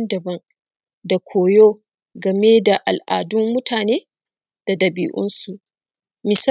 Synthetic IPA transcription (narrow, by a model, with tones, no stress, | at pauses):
ndɐ˨bɐ˦ŋ | da˨kʷʰoː˨joː˦ | ɡɐ˨me˦da˨ʔa˨lʔa̰ː˨dʊ˦mːʊ˦tʰaː˨neː˦ | d̥a˨dɐ˨bḭː˨ʔʊ̰˦nsu˨ʔ | mɪ˨sa˦